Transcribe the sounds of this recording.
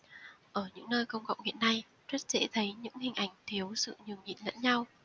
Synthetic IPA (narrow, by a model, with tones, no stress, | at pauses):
ʔəː˧˩ɲɨ̰˧˥ŋnəː˧jkə˧wŋ͡mkɔ̰˧˨wŋ͡mhḭ˧˨ənːa˧j | t͡ɕwə˦˥t̚zɛ̰˧˥t̪ʰə˨˦jɲɨ̰˧˥ŋhï˨˩ŋ̟ʔa˧˩jŋ̟t̪ʰi˨˦əwsɨ̰˧˨ɲi˨˩əwɲḭ˧˨nlə̰˧˥nɲa˧w